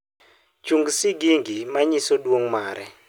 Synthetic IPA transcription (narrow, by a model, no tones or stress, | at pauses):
t͡ʃuŋɡsɪɡiŋɡimaɲɪsodwoŋmaɾɛ̰